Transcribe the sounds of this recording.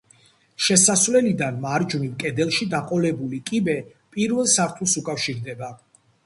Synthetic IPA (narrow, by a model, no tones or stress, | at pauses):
ʃɛsasvlɛlid̪anmaɾd͡ʒunimkʼɛd̪ɛlˠʃid̪aqʼɔlɛbulikʼibɛ | pʼiɾvɛlˠsaɾt̪ʰulˠsukʼafʃiɾd̪ɛba